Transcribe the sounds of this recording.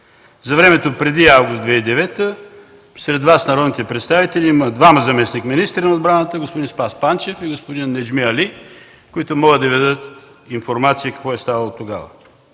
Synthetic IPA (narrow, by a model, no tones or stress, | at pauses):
zɐvɾɛmɛt̪opɾɛd̪iavɡʊsd̪vɛid̪ɛvɛt̪ə | sɾɛd̪vasnɐɾɔd̪nit̪ɛpɾɛt̪st̪avit̪ɛlʲiiməd̪vamɐzɐmɛsnikminist̪ɾənɐod̪bɾanət̪əɡospod̪inspaspant͡ʃɛfiɡospod̪inːɛd͡ʒmiɐli | koit̪ʊmɔɡəd̪ɐvɛd̪ət̪ | infoɾmat̪sijəkɐ̥kvɔɛst̪avɐlˠot̪oɡa̰və̰